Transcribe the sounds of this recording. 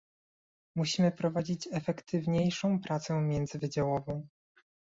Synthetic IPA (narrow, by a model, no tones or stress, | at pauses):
muɕimɘpɾɔvad͡ʑit͡ɕɛfɛkt̪ʰɘvɲejʂɔ̃w̃pɾʔat̪sɛmʲjɛnd̪zɘvɘd͡ʑawɔvɔ̃w̃